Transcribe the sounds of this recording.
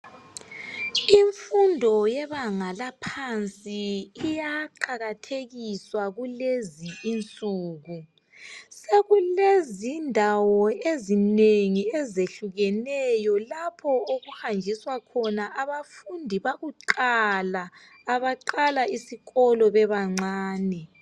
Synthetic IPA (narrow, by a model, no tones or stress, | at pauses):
iɱfundʱɔjɛβaŋalapʰant͡sʼiːjaǃʰaɣatʰeɣiswaɣuleziːnt͡sʼuːɣu | seɣulezindʱawɔezineŋiɛzeɬuɣɛnɛjɔlapʰɔoɣuhand͡ʒʱiswakʰɔnaʔaβafundʱiβaɣuǃalaː | βaǃalaisiɣɔlɔβɛβaŋ͡ǀaːnɛ